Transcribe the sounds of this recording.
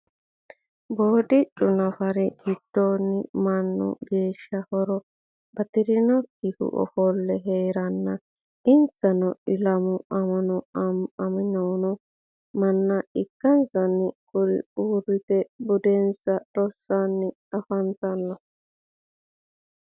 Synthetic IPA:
boːd̪ɪt͡ʃʼːʊnɐfɐɾɛɡɪd̪̥ːoːnːɪmɐnːʊ̰ɡeːʃːɐhɔɾɔ | bɐt̪ɪɾɪnɔkːɪhʊ̰ʔɔ̰fɔlːɛɦeːɾɐnːɐ | ɪnsɐnɔɪlɐmʊɐmɐnɔɐɐmɪnownɔ | mɐnːɐɪkːɐnsɐnːɪkʼʊɾɪ̰uːrɪt̪ɛbʊd̪ɛnsɐɾɔsːanːɪ | ɐfɐnt̪ɐnːɔ

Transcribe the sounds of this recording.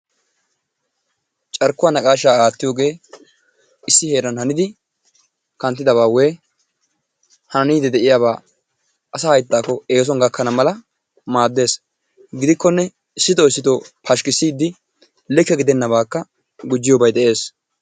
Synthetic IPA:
t͡ʃʼɐɾkːʊwanɐkʼaːʃaːaːt̪ːɪjoːɡe̞ː | ɪsːɪhe̞ːɾɐnhɐnɪd̪ɪ | kɐnt̪ːɪd̪ɐβaːweː | hɐnɐniːd̪ɛd̪ɛʔɪjaːβaː | ʔɐsɐhɐjt̪ːaːkːɔe̞ːs̬ɔnɡɐkʰːɐnɐmɐlɐ | maːd̪ːe̞ːs | ɡɪd̪ɪkːɔnːɛ | ɪsːɪt̪oɪsːɪt̪opʰɐʃkɪsːiːd̪ːɪ | lɛkːɛɡɪd̪ɛnːɐbaːkːɐ | ɡʊd͡ʒːɪjɔbɐjd̪ɛʔe̞ːs

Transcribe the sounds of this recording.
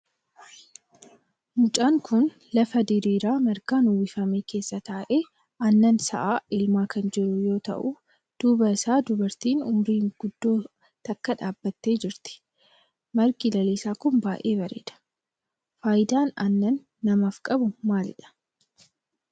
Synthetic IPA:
mʊt͡ʃʼaːŋkʊn | lɐfɐd̪ɪɾiːɾaːmɐɾkaːnuːwɪfɐmeːke̞ːsːɐt̪aːʔe̞ː | ʔɐnːɐnsɐ̰ʔaːɪlmaːkʰɐnd͡ʒɪɾʊjo̞ːt̪ɐ̰ʔʊ | d̪̥uːbɐsaːd̪ʊbɐɾt̪iːnʊmɾiːŋɡ̥ʊd̪ːoː | t̪ɐkːɐᶑaːbːɐt̪ːe̞ːd͡ʒɪɾt̪ɪ̥ | mɐɾɡilɐleːsaːkʊmbaːʔeːβɐɾḛːd̪ɐ̥ | faːjɪd̪aːnɐnːɐnː | ɐmaːfkʼɐbʊmaːlɪᶑɐ̥

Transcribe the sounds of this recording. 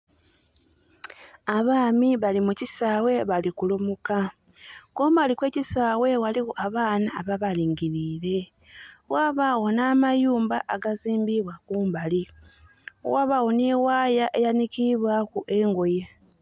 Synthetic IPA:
aβaːmiβalimucisaːwe̞βalikulumuka | kuːmbalikwe̞ːcisaːwe̞waliwoʔaβaːnaːβaβaliːŋɟiɾiːɾe̞ | waːβawo̞naːmajuːmba̰ʔaɡaziːmbiβwakuːmbali | waβawo̞niwaːjaʔe̞janikiβwakuʔe̞ːŋɡo̞je

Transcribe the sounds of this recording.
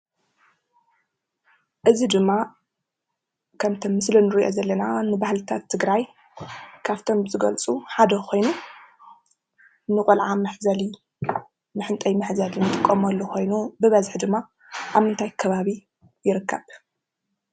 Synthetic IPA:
ʔɨzid̪ɨmːa | kʰɐmt̪ʰɐmːɨslinɨɾiʔo̞̰zɐlːɐnanɨbahlɨt̪ʰat̪ʰːɨɡɾaj | kʰaβt̪ʰo̞mzɨɡɐlt͡sʼuħad̪ɐkʰo̞jnu | nɨkʼulʕamɨħzɐli | mɨħɨnt̪ʼɐjmɨħzɐlinɨt̪ʼɨkʼːɐmɐlːuxo̞jnubɨβɐzħd̪ɨmːa | ʔaβmɨnt̪ʰajkʰɐβaβi | jɪɾɨkʰːɐβ

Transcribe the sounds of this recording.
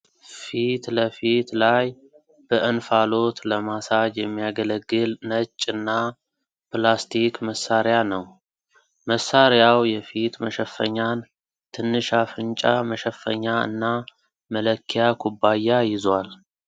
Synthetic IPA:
fit̪ləfit̪laj | b̥əʔɨnfalo̞t̪ləmasad͡ʒjɛmːijaɡələɡːɨlnət͡ʃʼːɨnːa | plast̪ʰikməsaɾjanəw | məsːaɾjawjɛfit̪məʃəfːə̰ɲːan | t̪ʰɨnːɨʃafɨnt͡ʃʼaməʃəfːə̰ɲːaɨ̰nːa | mələkʰːijakʰubajːajɪzwal

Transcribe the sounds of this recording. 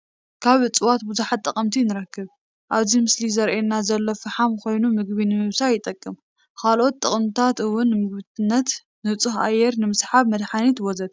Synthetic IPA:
kʰaβɨt͡sʼɨwat̪̚buzuħat̪ʼːɐkʼɐmt̪ʰinɨɾɐkːɨβ | ʔaβzimɨslizɐɾʔenːazɐlːofɨħamkʰo̞jnumɨɡ̚βinɨmɨβsajɪt̪ʼɐkʼːɨm | kʰalʔo̞t̪ːʼɨχʼmt̪ʰat̪ɨwːʊnːɨmɨɡβɨt̪ɨnːɐt̪ | nɨt͡sʼɨxʔa̰jːɛɾnɨmɨsħaβmɐd̪ħanit̪wɔzɐd̪̚

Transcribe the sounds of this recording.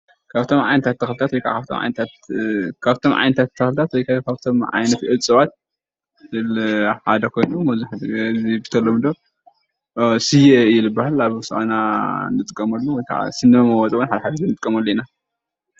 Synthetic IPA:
kʰaβt̪ʰomʕajnɐt̪ʰat̪ʰːɐxlt̪ʰat̪wɔjkʰa̰kʰaβt̪ʰomʕa̰jnɐt̪ʰt̪kʰaβt̪ʰo̞mʕa̰jnɐt̪ʰat̪ʰːɐxlt̪ʰat̪wɔjkakʰaβt̪ʰo̞mʕa̰jnɐt̪ʔɨt͡sʼɨβat̪̚ | zɨlħad̪ɐkʰo̞jnumɐzuħd̪zibit̪ʰɐlːomɨd̪o | sɨjeɨjilɨbːahalaβsɨʔɐnanɨt̪ʼɨkʼːɐmɐlːowɔjkʰa̰ʕa̰sɨnːɨmɐmɐwɔt͡sʼɐwunħad̪ɐaħad̪ɐzɨnɨt̪ʼɨkʼːɐmɐlːoina

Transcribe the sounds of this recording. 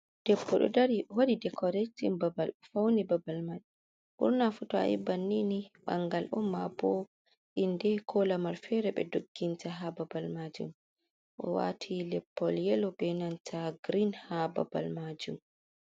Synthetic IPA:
d̥ɛpːɔɗɔ̰daɾiwodidɛkʰɔɾetimbabalfawnibabalmaɗ | ʔṵɾnafutɔa̰jḭbanːiniɓa̰ŋɡalɔmːabɔ | ʔindɛkʰɔlamaɾfɛɾɛɓɛ̰doɡːintaɦababalmad͡ʒṵm | ʔɔ̰wa̰tʰilɛpːɔljɛlɔbɛnantʰaɡɾinhaba̰ba̰lmad͡ʒum

